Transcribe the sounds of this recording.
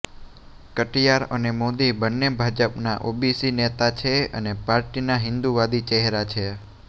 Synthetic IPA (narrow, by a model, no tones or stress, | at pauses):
kəʈijaɾə̰nemod̪ibənːebʱad͡ʒəpnaʔobisinet̪at͡ʃʰeə̰nepaɾʈinaɦɪ̃nd̪uʋad̪it͡ʃɛɦɾat͡ʃʰe